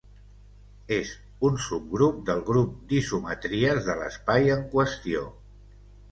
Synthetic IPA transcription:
ez | unsub̚ɡɾup̚d̪əlˠɣɾup̚d̪isumət̪ɾiəzðələ̰spajəŋkwəst̪io̰

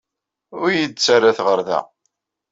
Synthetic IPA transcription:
ʊɾjəd̪t͡sːarːaθʁəɾðæ̰

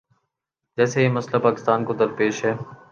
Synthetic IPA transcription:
d͡ʒɛːsejemɐslapaːkɪ̥st̪aːnkod̪əɾpeːʃɦɛː

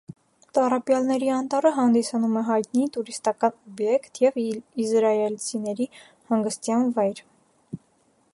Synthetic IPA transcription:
t̪ɑrɑpjɑlnɛɾiɑnt̪ɑɾəɦɑnd̪isɑnumɛɦɑjt̪nit̪uɾist̪ɑkɑnɔbjɛkt̪ʰjɛvizɾɑɛlt͡sʰinɛɾi | hɑŋɡəst̪jɑnvɑjɾ

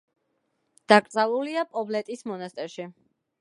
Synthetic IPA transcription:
d̪̥akʼɾt̪sʼavuliapʼɔblɛt̪ʼismɔnast̪ʼɛɾʃi

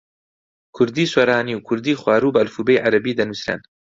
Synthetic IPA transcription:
kʰʊɾd̪iːswɐɾaːniːwkʰʊɾd̪iːχwaːɾuːbɐɐlfuːbejʕaɾɐbiːd̪ɐnusɾɐ̰n

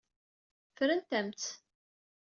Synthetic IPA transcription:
fɾənt̪æmt̪

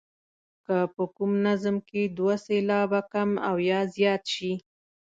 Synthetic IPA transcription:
kapəkumnazmked̪waselɑbakamawjɑzjɑt̪ʃi

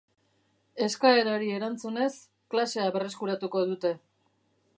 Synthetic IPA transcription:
e̞skae̞ɾaɾie̞ɾant͡sune̞s | klase̞aβe̞re̞skuɾat̪uko̞ð̞ut̪e̞

